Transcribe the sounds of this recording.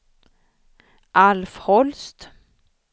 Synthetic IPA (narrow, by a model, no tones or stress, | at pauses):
ʔalfhɔlst̪